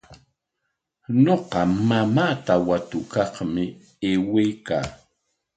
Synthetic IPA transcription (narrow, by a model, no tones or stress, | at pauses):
ɲoqɑmamaːt̪awat̪ʊkɑχmɪ | eːwejka̰ː